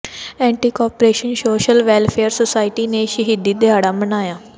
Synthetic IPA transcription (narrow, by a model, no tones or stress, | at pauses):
ɛ̃ːɳʈiːkɔːpɾeːʃənʃoːʃəlʋɛːlpʰeːəɾsoːsaːiʈiːneːʃəɦiːd̪iːd̪ɪaːɽaːmənaːjaː